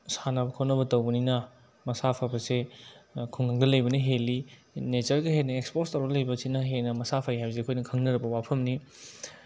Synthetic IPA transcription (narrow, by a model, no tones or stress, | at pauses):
sanɐbɐkʰawnɐbɐtɐwbɐninɐ | mɐsapʰabɐse | kʰuŋːaŋ̚dɐlɐjbɐnɐɦelːi | net͡ʃɐɾɡɐɦenɐekspoɾstɐwdɐlɐjbɐsinɐɦenɐmɐsapʰaiɦajbzeɐkʰojnɐkʰɐŋnɐɾɐbɐwapʰɐmni